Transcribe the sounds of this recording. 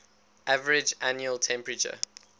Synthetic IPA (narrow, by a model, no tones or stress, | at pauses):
ʔavəɹɪd͡ʒanjuəlˠtʰɛ̃mpɹət͡ʃə̰